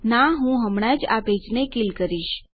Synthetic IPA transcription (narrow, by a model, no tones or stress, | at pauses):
naɦũɦəmɽ̃ad͡ʒabʱed͡ʒnekilkəɾiʃ